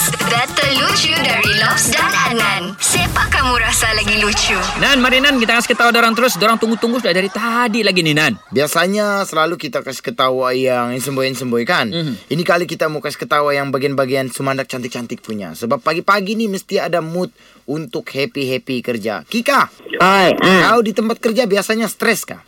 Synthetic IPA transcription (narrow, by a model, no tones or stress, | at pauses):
bɛt̪əlut͡ʃudaɾilɔfsdananan | sepakamuɾasalaɡilut͡ʃunanmaɾinankit̪akasi̥kət̪auwadaɾaŋt̪əɾʊsdoɾaŋt̪uŋɡut̪uŋɡʊsdadaɾit̪adiʔlaɡininanbiasaɲasəlalukit̪akasi̥kət̪awajaŋansəmbojansəmbojkaninikalikit̪amukasi̥kət̪awajaŋbaɡianbaɡiansumandak̚t͡ʃant̪ɪk̚t͡ʃant̪ɪk̚puɲa̰səbapːaɡipaɡiniməst̪iadamʊt̪̚ | unt̪ʊk̚hepiɦepikərd͡ʒa̰kikaajt̪audit̪əmpat̪̚kərd͡ʒabiasaɲasə̥t̪ɾɛska̰